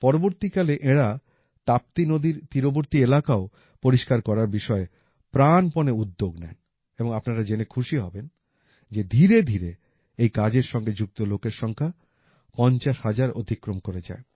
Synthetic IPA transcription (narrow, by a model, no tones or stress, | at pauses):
pɔɾoboɾt̪ikaleʔeɽa | t̪ap̚t̪inod̪ʱiɾt̪iɾoboɾt̪ielakao | poɾiʃkaɾkɔɾaɾbiʃɔe | pɾanponeud̪ːoɡnɛ̰n | eboŋapnaɾad͡ʑenekʰuʃiɦɔben | d͡ʑed̪ʱiɾed̪ʱiɾe | ejkad͡ʑeɾʃɔŋɡed͡ʑuk̚t̪olokeɾʃɔŋkʰa | pɔɲt͡ɕaʃhad͡ʑaɾo̰d̪ʱikːɾomkoɾed͡ʑa̰e